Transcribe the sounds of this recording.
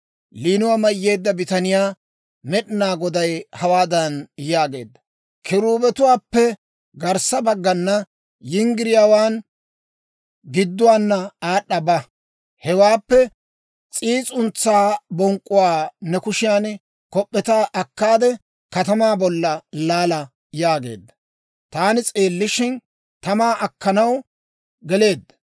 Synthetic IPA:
liːnʊwaːmɐjːe̞ːd̪ːɐbɪt̪ɐnɪjaː | mɛɗnaːɡɔd̪ɐjhɐwaːd̪ɐnjaːɡe̞̰ːd̪ːɐ̥ | kʰɪɾuːbɛt̪ʊwaːpːɛ | ɡɐɾsɐbɐɡːɐnːɐ | jɪŋɡɪɾɪjaːwaːn | ɡɪd̪ːʊwaːnːɐaːɗːɐbɐ | hɛwaːpːɛ | t͡sʼiːt͡sʼʊnt͡sːaːbɔŋkʼːʊwaːnɛkʊʃɪjaːn | kɔpʼːɛt̪aːʔɐkːaːd̪ɛ | kɐt̪ɐmaːbɔlːɐlaːlɐ | jaːɡe̞̰ːd̪ːɐ | t̪aːnɪt͡sʼeːlːɪʃɪn | t̪ɐmaːʔɐkːɐnɐw | ɡɛle̞ːd̪ːɐ

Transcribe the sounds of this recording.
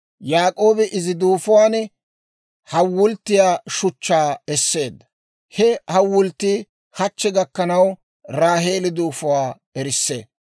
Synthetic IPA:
jaːkʼo̞ːbɛʔɪzɪd̪uːfʊwaːn | hɐwːʊlt̪ːɪjaːʃʊt͡ʃːaːɛsːe̞ːd̪ːɐ̥ | hɛhɐwːʊlt̪ːɪ | hɐt͡ʃːɛɡɐkːɐnɐw | ɾaːɦe̞ːlɪd̪uːfʊwaː | ɛɾɪsːḛː

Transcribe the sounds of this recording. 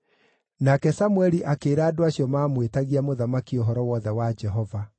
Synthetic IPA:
nakɛsamwɛɾiʔakeːɾaːdoaɕjɔmaːmwetaɣiamoðamakioɦɔɾɔwɔðɛwad͡ʒɛɦɔva

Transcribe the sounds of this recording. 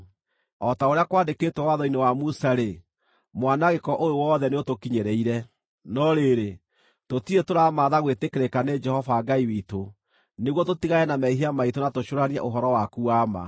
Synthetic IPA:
ɔtaoɾeakwaːndekeːtwɛwaðɔinewamusaɾe | mwanaɣekɔʔojowɔðɛneotokiɲeɾeiɾɛ | nɔɾeɾe | totiɾetoɾamaðaɣwetekeɾekaned͡ʒɛhɔvaːɡaiwito | neɣwɔtotiɣajɛnamɛiɦiamaitonatoɕoɾaniɛ̰ʔoɦɔɾɔwakuama̰

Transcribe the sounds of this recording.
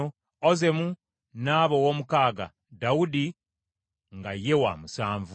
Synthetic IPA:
oze̞mu | naːβowoːmukaːɡa̰ | dawudi | ŋɡaje̞wa̰musaːɱvu

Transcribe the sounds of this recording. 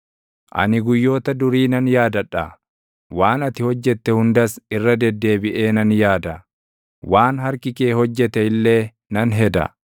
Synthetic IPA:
ʔɐ̰nɪɡʊjːo̞ːt̪ɐd̪ʊɾiːnɐnjaːd̪ɐᶑːɐ̰ | waːnɐt̪ɪhɔd͡ʒːɛt̪ːɛhʊnd̪ɐsɪrːɐd̪ɛd̪ːe̞ːbɪʔe̞ːnɐnjaːd̪ɐ | waːnɦɐɾkɪke̞ːhɔd͡ʒːɛt̪ɛɪlːe̞ː | nɐnɦɛd̪ɐ̰

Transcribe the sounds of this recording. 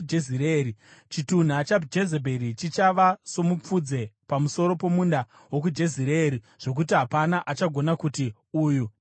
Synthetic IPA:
d͡ʒeziɾeɾit͡ʃitun̤at͡ʃad͡ʒe̞zebʱe̞ɾit͡ʃit͡ʃaʋaso̞mup͡fud͡ze̞pamuso̞ɾo̞po̞munda | wo̞k̬ud͡ʒe̞ziɾeːɾi | ʐ̥o̞k̬ut̬iɦapanaʔat͡ʃaɡʱo̞nakuti | uːju

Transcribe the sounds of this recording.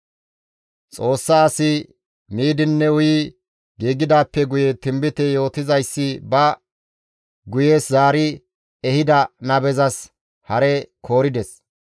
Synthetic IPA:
t͡sʼo̞ːsːɐːsɪ | miːd̪ɪnːɛwʊjɪ | ɡiːɡɪd̪aːpːɛɡʊjɛt̪ɪmbɪt̪ɛjo̞ːt̪ɪzɐjsːɪbɐ | ɡʊjeːszaːɾɪ | ɛhɪd̪ɐnɐbɛzɐs | hɐɾɛkʰo̞ːɾɪd̪ɛs

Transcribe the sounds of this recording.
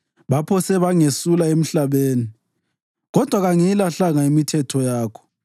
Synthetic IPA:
βapʰɔsɛβaŋesulaem̩ɬaβeːni | ɣɔd̥ʱwaɣaŋiilaɬaŋaimitʰɛtʰɔjaːkʰɔ̥

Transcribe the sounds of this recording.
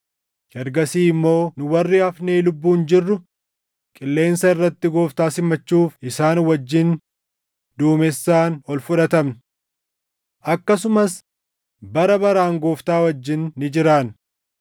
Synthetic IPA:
hɛɾɡɐsiːɪmːo̞ːnʊwɐrːɪɐfneːlʊbːuːnd͡ʒɪrːʊ | kʼɪlːe̞ːnsɐɪrːɐt̪ːɪɡo̞ːft̪aːsɪmːɐt͡ʃːuːfɪsaːnwɐd͡ʒːɪn | d̪uːmɛsːaːnɔlfʊᶑɐt̪ɐmnɪ̥ | ʔɐkːɐsʊmɐs | bɐɾɐbɐɾaːŋɡoːft̪aːwɐd͡ʒːɪnːɪd͡ʒɪɾaːn

